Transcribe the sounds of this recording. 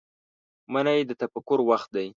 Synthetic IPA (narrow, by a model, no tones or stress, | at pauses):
manajd̪ət̪apakʊɾwaxt̪̚d̪aj